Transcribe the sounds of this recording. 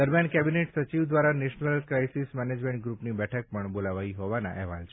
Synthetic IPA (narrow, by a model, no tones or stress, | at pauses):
d̪əɾmjankɛbineʈsət͡ʃiʋd̪ʋaɾaneʃnəlkɾajsismɛned͡ʒmẽɳʈ̚ɡɾupnibɛʈʰək̚pəɳbolaʋaiɦɔʋana̰ʔɛɦʋalt͡ʃʰe